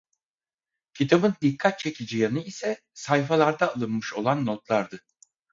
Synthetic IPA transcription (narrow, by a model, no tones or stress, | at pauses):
cʰit̪ʰabɯnd̪ikʰːat̪̚t͡ʃʰe̞cʰid͡ʒijanɯisɛ | sajfalˠaɾd̪aːlˠɯnmɯʃo̞lˠanːot̪lˠaɾd̪ɯ